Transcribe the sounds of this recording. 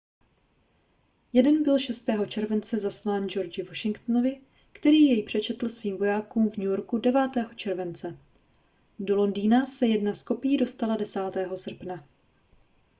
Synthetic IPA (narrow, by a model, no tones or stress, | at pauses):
jɛdɛnbɪlʃɛst̪ɛːɦo̞t͡ʃɛɾvɛnt͡sɛzaslaːnd͡ʒo̞ɾd͡ʒɪvo̞ʃɪŋkt̪novɪ | kt̪ɛɾiːjɛjpr̝̥ɛt͡ʃɛt̪l̩sviːmvo̞jaːkuːmvɲujo̞ɾkudɛvaːt̪ɛːɦo̞t͡ʃɛɾvɛnt͡sɛ | do̞lo̞ndiːnasɛjɛdnasko̞pɪjiːdo̞st̪aladɛsaːt̪ɛːɦo̞sr̩pna